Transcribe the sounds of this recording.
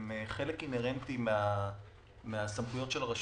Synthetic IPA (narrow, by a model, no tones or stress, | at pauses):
meχe̞lekineʁent̪imea | measamχujo̞tʃe̞laʁaʃ